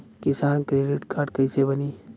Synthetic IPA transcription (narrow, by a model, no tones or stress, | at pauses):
kisaːnkɾeɖiʈkaːɾɖkəjsebəni